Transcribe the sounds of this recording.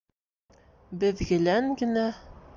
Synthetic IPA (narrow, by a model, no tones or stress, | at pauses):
bɘ̆ðɡɘ̆læŋɡɘ̆næ